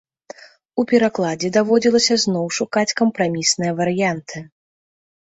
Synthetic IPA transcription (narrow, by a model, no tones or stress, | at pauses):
upʲɛɾaklˠad͡zʲɛd̪avɔd͡zʲilˠɐsʲɐznɔwʂukat͡sʲkɐmpɾamʲisnɨjɐvɐɾɨjant̪ʰɨ